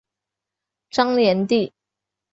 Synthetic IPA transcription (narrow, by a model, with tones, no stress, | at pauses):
ʈ͡ʂɑ˥ŋljɛ˧˥nt̪i˥˩